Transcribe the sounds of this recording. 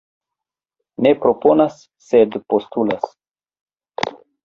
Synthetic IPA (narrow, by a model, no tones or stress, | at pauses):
ne̞pɾo̞po̞nasː | e̞dpo̞stula̰s